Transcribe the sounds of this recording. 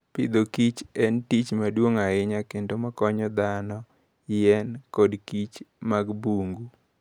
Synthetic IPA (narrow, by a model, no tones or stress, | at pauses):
pɪd̪okit͡ʃɛntit͡ʃmadwoŋaɪɲakendomakɔɲɔd̪anɔ | jɛnkɔdkit͡ʃmaɡbuŋɡu